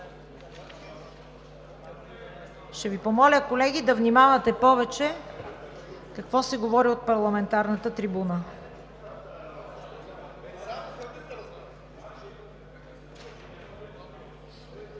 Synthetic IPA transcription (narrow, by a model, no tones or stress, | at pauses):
ʃt̪ɛvipomɔlʲəkolɛɡʲid̪ɐvnimavɐt̪ɛpɔvɛt͡ʃɛ | kɐkvɔsɛɡovɔɾiot̪̚pɐɾlˠɐmɛnt̪aɾnət̪ət̪ɾibunə